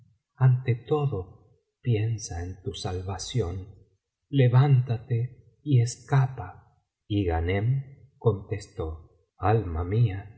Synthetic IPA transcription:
ant̪et̪o̞ðo | pje̞nsaent̪usalβasjo̞n | leβant̪at̪e | ie̞skapa | iɣanem | ko̞nt̪e̞st̪o̞ | almamia

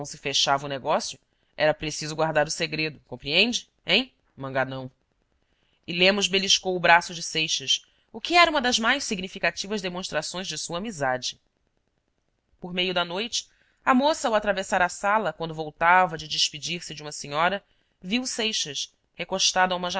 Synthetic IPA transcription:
w̃sɪfeʃavɐʊneɡɔsjʊ | ɛɾɐpɾesizʊɡwaɾd̪aɾʊseɡɾed̪ʊkõpɾiẽnd͡ʒɪ | ẽj̃ | mɐ̃ŋɡanɐ̃w̃ | ɪlẽmʊzbeliʃkowʊbɾasʊd͡ʒɪsejʃɐs | ʊkɪɛɾɐũmɐd̪ɐzmajʃssiɡnifikat͡ʃivɐzd̪emõʃt̪ɾasõj̃ʒd͡ʒɪsuɐaːmizad͡ʒɪ | poɾmejʊd̪ɐnojt͡ʃɪ̥ | ɐmosɐːwat̪ɾavesaɾɐsalɐk̚wɐ̃nd̪ʊvowt̪avɐd͡ʒɪd͡ʒɪʃpid͡ʒiɾsɪd͡ʒɪũmɐsĩɲɔɾɐ | viwsejʃɐʃ | hekoʃt̪ad̪ʊɐũmɐʒa

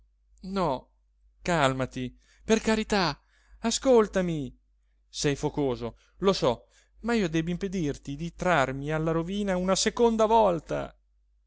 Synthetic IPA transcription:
nɔ | kalmat̪i | perkaɾit̪a | askolt̪ami | sɛjfokoːzo | losɔ | maiːod̪ɛːbimped̪irt̪id̪it̪ɾarmialːaɾoviːnaunasekond̪avɔlt̪a̰

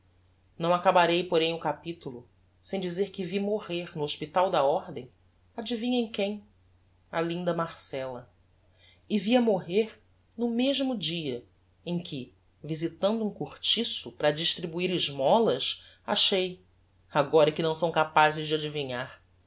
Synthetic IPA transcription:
nɐ̃w̃akabaɾejpoɾẽj̃ʊkapit̪ulʊ | sẽj̃d͡ʒizeɾkɪvimoʁeɾnʊoʃpit̪awd̪ɐɔɾd̪ẽj̃ | ad͡ʒivĩɲɐẽj̃kẽj̃ | alĩnd̪ɐmaɾsɛlɐ | ɪviɐmoɦeɾ | nʊmeʒmʊd͡ʒiɐ | ẽj̃kʰɪ | vizit̪ɐ̃nd̪uũkuɾt͡ʃisʊpɾɐd͡ʒiʃt̪ɾibuiɾɪʒmɔlɐs | a̰ʃej | aɡɔɾɐikɪnɐ̃w̃sɐ̃w̃kapazɪzd͡ʒɪad͡ʒiviɲaɾ

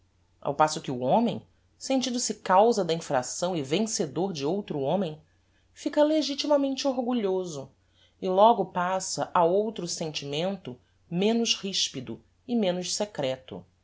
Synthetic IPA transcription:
a̰wpasʊkɪʊõmḛ̃j̃ | sẽnt͡ʃĩnd̪ʊsɪkawzɐd̪ɐĩfɾa̰sɐ̃w̃ɪvẽŋsed̪oɾd͡ʒɪowt̪ɾʊõmẽj̃ | fikɐleʒit͡ʃimɐmẽnt͡ʃɪoɾɡuʎozʊ | ɪlɔɡʊpasɐʔaowt̪ɾʊsẽnt͡ʃimẽnt̪ʊ | mẽnʊʃhiʃpid̪ʊ | ɪmẽnʊʃsekɾɛt̪ʊ̰

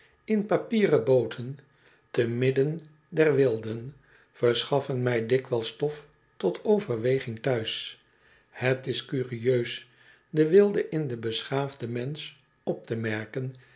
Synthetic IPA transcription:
ɪnpapiːrəbowtʰən | təmɪdən | dɛɹʋɪlˠdən | v̥əɹsχɑfənmɛjdɪkʋɛlˠstɔf | tɔtʰowvəɹʋejχɪŋtœɥs | hətɪskyːriøɥs | dəʋɪlˠdəʔɪndəbəsχaːvdəmɛns | ɔp̚təmɛɹkən

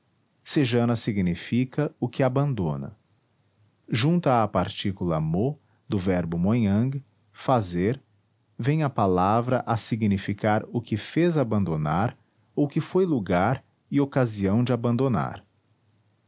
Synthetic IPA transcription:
seʒɐ̃nɐsiɡnifikɐʊkɪabɐ̃nd̪õnɐ̰ | ʒũnt̪ɐːpaɾt͡ʃikulɐ̰mo | d̪ʊvɛɾbʊmojɐ̃ɡ | fazeɾ | vẽj̃ɐpalavɾɐʔasiɡnifikaɾʊkɪfezabɐ̃nd̪ona̰ɾ | okɪfojluɡaɾ | ɪokaziɐ̃w̃d͡ʒɪabɐ̃nd̪ona̰ɾ

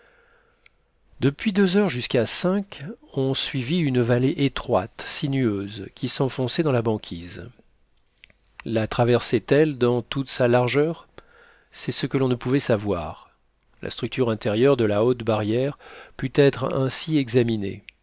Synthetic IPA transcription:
d̪əpɥid̪øzœʁʒyskasɛ̃kɔ̃sɥiviynvaleʔet̪χwat̪sinyøzkʲisɑ̃fɔ̃sɛd̪ɑ̃labɑ̃kʲʰiz | lat̪χavɛʁsɛt̪ɛld̪ɑ̃t̪ut̪salaʁʒœʁ | sɛsəkəlɔ̃nəpuvɛsavwa̰ʁ | la̰st̪χyk̚t̪yʁɛ̃t̪ɛʁjœʁd̪əlaot̪baʁjɛʁpyt̪ɛt̪χɛ̃siɛɡzaminḛ

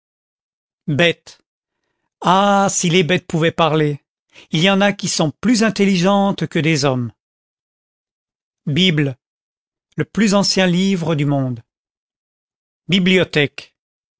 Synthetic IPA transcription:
bɛt̪ | asilebɛt̪̚puvɛpaʁle | iljɑ̃nakʲisɔ̃plyzɛ̃t̪eliʒɑ̃t̪kəd̪ezɔm | bibl | ləplyzɑ̃sjɛ̃livʁəd̪ymɔ̃d̪ | bibliɔt̪ɛk

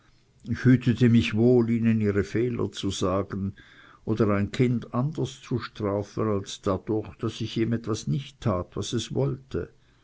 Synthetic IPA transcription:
ɪçhyːtʰətʰəmɪçvoːliːnəniːʁəfɛːlɐ̰t͡suz̥aːɡ̥ən̩ | ʔoːdəʁaɪnkʰɪndandəst͡suʃtʁ̥aːfənalsd̥ad̥ʊɐçd̥asɪçeːmɛtv̥asnɪçtʰːaːtvasɛsvɔltʰə

